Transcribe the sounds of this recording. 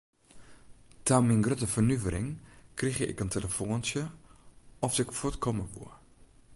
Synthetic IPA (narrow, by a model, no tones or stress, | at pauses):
tʰaminɡrøtəfərnyvəɾɪ̰ŋkrixjəʔɪ̰kəntʰeləfoːnsjə | ɔfsɪkfɔtkʰɔməʋṵə